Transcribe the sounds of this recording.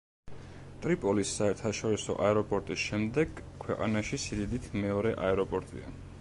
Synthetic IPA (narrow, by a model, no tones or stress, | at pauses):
t̪ʼɾipʼɔlisːaɛɾt̪ʰaʃɔɾisɔ̰ʔaɛɾɔpʼɔɾt̪ʼisʃɛmd̪ɛɡ̥kʰwɛqʼa̰naʃisid̪id̪it̪ʰmɛɔɾɛʔaɛɾɔpʼɔɾt̪ʼḭa̰